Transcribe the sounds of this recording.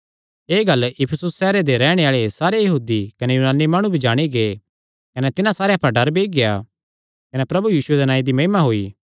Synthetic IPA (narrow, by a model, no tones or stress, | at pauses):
eːɡɐlɪpʰəsʊsːɛːɾed̪eɾɛːɽ̃eaːɭesaːɾejɐɦuːd̪ikɐnɛjuːnaːnːimaːɽ̃ũbʱid͡ʒaːɽ̃iɡeː | kɐnɛt̪ɪnãsaːɾeɐpãɖɐɾbeːɡɪja | kɐnepɾɐbujiːsʊed̪enãːĩd̪imɐɦɪmaɦoiː